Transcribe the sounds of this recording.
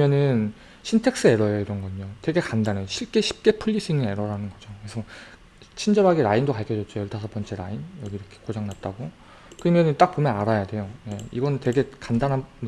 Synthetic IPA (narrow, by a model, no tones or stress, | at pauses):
ɯmjʌnɯn | ɕʰintʰe̞ks͈ɯe̞ɾʌjoiɾʌnɡʌɲotwe̞ɡe̞kandaneoɕʰiɭk͈e̞ɕʰi̥p̚k͈e̞pʰɯɭʎːis͈iŋie̞ɾʌɾanɯnɡʌd͡ʑokesʰʌ | t͡ɕʰind͡ʑʌbaɡeɾaindokaɭkʰjʌd͡ʑʌt̚t͡ɕ͈ojʌɭtʰas̬ʰʌpʌnt͡ɕʰe̞ɾainjʌɡiɾʌkʰe̥kod͡ʑaŋnat̚t͈aɡo | kɯɾʌmjʌnɯnt͈ak̚p͈omjʌnaɾajade̞joje̞iɡʌnɯntwe̞ɡekandanɦa